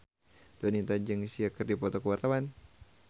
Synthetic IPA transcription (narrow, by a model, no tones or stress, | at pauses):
d̥onint̪aɲd͡ʒəŋsiakərdipɔt̪ɔkəwart̪awan